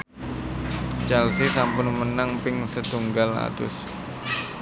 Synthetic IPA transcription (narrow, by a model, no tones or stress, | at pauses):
t͡ʃɛlsisampʊnmənaŋpɪŋsət̪uŋɡala̰d̪ʊ̰s